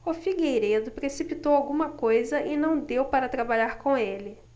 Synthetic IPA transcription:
ʊfiɡejɾed̪ʊpɾesipit̪owawɡũmɐkojzɐʔɪnɐ̃w̃d̪ewpaɾɐt̪ɾabaʎaɾkõelɪ

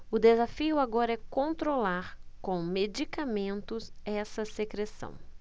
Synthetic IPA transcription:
ʊd̪ezafiʊaɡɔɾɐɛkõnt̪ɾolaɾkõmed͡ʒikamẽnt̪ʊzɛsɐsekɾesɐ̰̃w̃

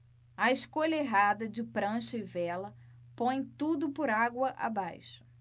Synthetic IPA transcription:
ɐeʃkoʎɐeɦad̪ɐd͡ʒɪpɾɐ̃ʃɐɪvɛlɐpõj̃t̪ud̪ʊpʊɾaɡwɐʔa̰bajʃʊ̥

